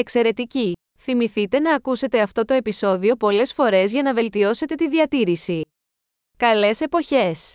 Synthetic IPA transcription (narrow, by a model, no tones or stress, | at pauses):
e̞kse̞ɾe̞t̪ici | θimiθit̪e̞nɐːkuse̞t̪e̞ɐft̪o̞t̪o̞e̞piso̞ðio̞po̞le̞sfo̞ɾe̞zʝɐnɐve̞lt̪io̞se̞t̪e̞t̪iðiɐt̪iɾisi | kɐle̞se̞po̞çe̞s